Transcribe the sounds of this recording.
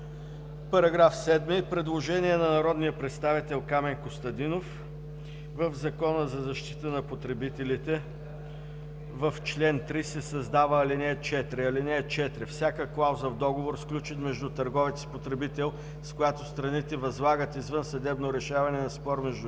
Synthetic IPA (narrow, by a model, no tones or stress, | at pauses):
pɐɾɐɡɾafsɛd̪mipɾɛd̪lˠoʒɛniɛnɐnɐɾɔd̪nijəpɾɛt̪st̪avit̪ɛlˠkamɛnkost̪ɐd̪inof | vəvzɐkɔnəzɐzɐʃt̪i̥t̪ənɐpot̪ɾɛbit̪ɛlit̪ɛ | vəft͡ʃlɛnt̪ɾisɛsɐzd̪avəːlinɛːt͡ʃɛt̪ɾɛɐlinɛːt͡ʃɛt̪ɾɛfsʲjakəklˠawzəvd̪ɔɡovoɾsklʲut͡ʃit̪mɛʒd̪ut̪ɐɾɡɔvɛt̪si̥pot̪ɾɛbit̪ɛlˠ | skojat̪ost̪ɾɐnit̪ɛvɐzlˠaɡət̪izvənsɐd̪ɛbnoɾɛʃavɐnɛnɐspɔɾmɛʒd̪